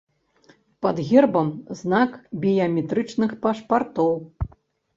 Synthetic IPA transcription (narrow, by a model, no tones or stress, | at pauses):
pɐd̪ɣʲɛrbɐmznakbʲijɐmʲɛt̪ɾɨt͡ʂnɨxpaʂpart̪ɔw